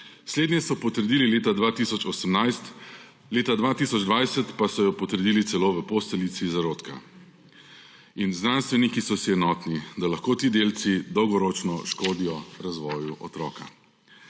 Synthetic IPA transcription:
sleːd̪njɛsɔpɔt̪əɾd̪iːlileːt̪ad̪ʋaːt̪isɔt͡ʃɔːsəmnajst̪ | leːt̪ad̪ʋat̪isɔd͡ʒd̪ʋajsət̪pasɔjɔpɔt̪əɾd̪iːlit̪sɛloːʋəpost̪ɛlit̪sʋizaɾoːt̪ka̰ | inznanst̪ʋɛnikisɔsiɛnɔːt̪nid̪alaxkoːt̪iːd̪eːlt̪sid̪ɔwɡɔɾɔt͡ʃnɔʃkoːd̪ijɔɾazʋɔːjuʔɔ̰t̪ɾɔ̰ːka̰

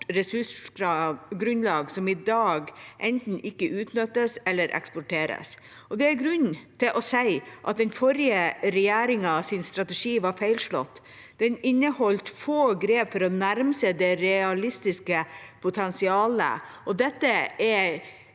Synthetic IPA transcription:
ɾɛsʉʂɑɡɾʉnlɑːɡsɔmɪd̪ɑːɡʔɛnt̪n̩ɪkːəʔʉːt̪nœt̪ːəsɛlːəɾʔɛ̰kspɔʈʰeːɾə̰s | ʔɔd̪ɛæɾɡɾʉnt̪ʰɪlʔɔsæɪʔɑ̰t̪̚d̪ɛnfɔɾɪəɾɛjæːɾɪŋɑsɪnst̪ɾɑt̪əʂiːʋɑɾfæɪlʂɭɔ̰t̪ː | d̪̥ɛnɪnːəhɔlt̪foːɡɾeːpfɔɾɔnæɾmsəd̪ɛɾɛɑlɪst̪ɪskəpʰʊt̪ʰɛnsɪɑːlə̰ʔɔd̪ɛt̪ːəæ

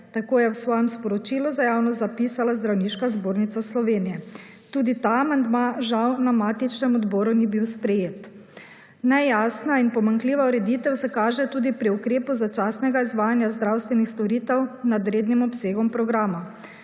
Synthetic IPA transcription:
t̪akoːjɛwsʋɔːjɛmspɔɾɔt͡ʃiːluzajaːwnɔzapisalazd̪ɾawniʃkazboːɾnit̪saslɔʋeːnijɛ | t̪uːd̪it̪aːmand̪maʒawnamaːt̪it͡ʃnɛmɔd̪bɔːɾunibiwspɾɛjeːt̪ | nɛjasnainpɔmaŋkliːʋauɾɛd̪iːt̪ɛwsɛkaːʒɛt̪uːd̪ipɾiukɾeːpuzat͡ʃaːsnɛɡaizʋaːjanjazd̪ɾawst̪ʋɛnixst̪ɔɾiːt̪ɛwnad̪ɾeːd̪nimɔpseːɡɔmpɾɔɡɾaːma

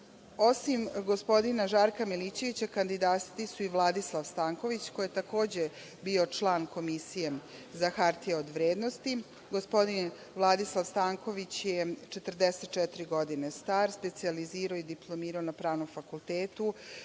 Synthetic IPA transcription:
o̞simɡo̞spo̞d̪inaʒaːɾkamiliːt͡ɕe̞ʋit͡ɕakand̪id̪aːst̪isuiʋlˠad̪islˠaʋst̪aːŋko̞ʋit͡ɕko̞jet̪ako̞ːd͡ʑe | bio̞t͡ʃlˠaːnko̞misije̞zaxaɾt̪ijeod̪ʋɾeːd̪nost̪i | ɡospo̞d̪in | ʋlˠad̪islˠaʋst̪aːŋko̞ʋit͡ɕjet͡ʃet̪r̩d̪eset̪̚t͡ʃɛt̪ɾiɡo̞d̪inest̪aːɾspe̞t̪sializiːɾaoid̪iplˠomiːɾaonapɾaːʋno̞mfakulˠt̪eːt̪u

